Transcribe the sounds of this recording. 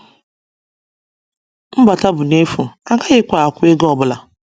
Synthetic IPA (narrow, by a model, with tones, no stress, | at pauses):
m̩˦ba˨ta˦bʊ˨ne˦fu˨a˨ɡa˦ɣɪ˦kʷa˨a˨kʷʊ˦e˦ɡɔ˨bʊ˦la˨